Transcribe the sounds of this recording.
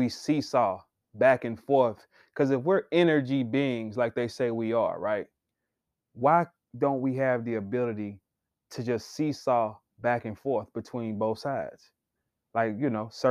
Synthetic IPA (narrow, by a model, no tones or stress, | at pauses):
isisɔ | bækɨ̃nfɔɹθ | kʰʌzɨfwɪɹɛnə˞d͡ʒibiɪ̃ŋzlaɪk̚ðeɪseɪwiə̰˞ɹaɪt̚ | waɪ | dõʊ̃nt̚wiɨvðiɨbɪlˠɨɾi | ɾɨd͡ʒʌstsisɔ | bækɨ̃nfɔɹθb̥ɨtʰw̥ĩnboʊθsaɪdz̥ | laɪkjɨnoʊsɜ